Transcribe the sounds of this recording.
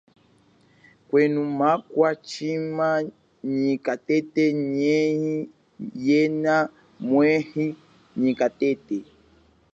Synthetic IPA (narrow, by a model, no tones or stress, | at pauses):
kwɛnumakwat͡ʃima | ɲikatɛtɛɲɛhi | jɛna | mwɛhi | ɲikatɛtɛ